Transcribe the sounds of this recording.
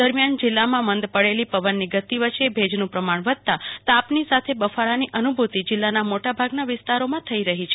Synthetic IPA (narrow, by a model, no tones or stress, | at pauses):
əɾmjand͡ʒɪlːamãmənd̪pəɽelipəʋənːiɡət̪iʋət͡ʃebʱed͡ʒnũpɾəmaɳ̃ʋəd̪̚t̪at̪apnisat̪ʰebəfaɾaniʔənubʱut̪id͡ʒɪlːanamoʈabʱaɡnaʋɪst̪aɾomãt̪ʰəiɾəɦit͡ʃʰ